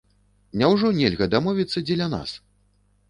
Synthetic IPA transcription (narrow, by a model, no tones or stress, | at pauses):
nʲawʐɔnʲɛlʲɣɐd̪amɔvʲit̪sːɐd͡zʲɛlʲana̰s